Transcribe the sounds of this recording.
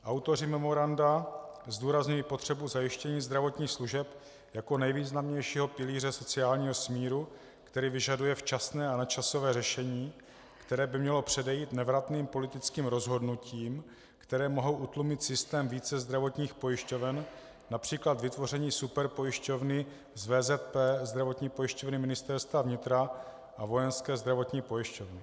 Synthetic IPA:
ʔawt̪o̞r̝ɪmɛmo̞ɾandazduːɾazɲujiːpo̞t̪r̥ɛbuzajɪʃcɛɲiːzd̪ɾavo̞t̪ɲiːxsluʒɛp | jako̞nɛjviːznamɲɛjʃiːɦo̞pɪliːr̝ɛso̞t͡sɪaːlɲiːɦo̞smiːɾu | kt̪ɛɾiːvɪʒadujɛft͡ʃasnɛːanat͡ʃaso̞vɛːrɛʃɛɲiː | kt̪ɛɾɛːbɪmɲɛlo̞pr̥ɛdɛjiːt̪nɛvɾat̪niːmpo̞lɪt̪ɪt͡skiːmɾo̞zɦo̞dnuciːm | kt̪ɛɾɛːmo̞ɦo̞wʔut̪lumɪt̪sɪst̪ɛːmviːt͡sɛzd̪ɾavo̞t̪ɲiːxpo̞jɪʃco̞vɛn | napr̝̥iːklat̪vɪt̪vo̞r̝ɛɲiːsupɛɾpo̞jɪʃco̞vnɪ | zvɛːzɛt̪̚pɛːzd̪ɾavo̞t̪ɲiːpo̞jɪʃco̞vnɪmɪnɪst̪ɛɾst̪vavɲɪt̪ɾa | ʔavo̞jɛnskɛːzd̪ɾavo̞t̪ɲiːpo̞jɪʃcovnɪ

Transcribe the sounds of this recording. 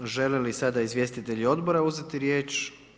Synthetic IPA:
ʒe̞lelisad̪aizʋje̞st̪it̪e̞ʎio̞d̪bo̞ɾauzet̪iɾje̞ːt͡ʃ

